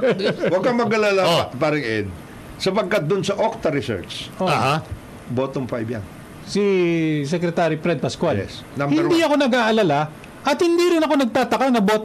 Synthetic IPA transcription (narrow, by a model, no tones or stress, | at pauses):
wɐɡ̚kɐŋmɐɡɐlalaopaːɾɪŋɛd̪̚ | sɐpɐɡ̚kat̪̚d̪ʊnsɐʔok̚t̪ɐɾɪsɛ̰ɹt͡ʃʔoaha | boːt̪oŋfajbja̰ŋ | sis̬ɛkɾɛt̪aːɾipɾɛd̪̚pɐskwaljɛ̰s | nɐmbhɪɛniɐko̞nɐɡaːʔɐlɐla | ʔɐt̪̚hɪnd̪iɾɪnɐko̞nɐɡ̚t̪aːt̪ɐkanɐbo̞ːt̪